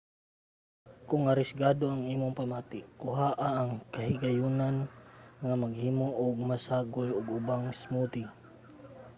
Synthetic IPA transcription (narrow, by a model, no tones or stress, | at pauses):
kʊŋaɾɪsɡad̪oaŋiːmʊŋpamat̪ɪkʊɦaʔaʔːŋkaɦɪɡajunanŋamaɡhiːmoʔʊɡ̚masaɡʊlʊɡʊbaŋsmut̪ɪ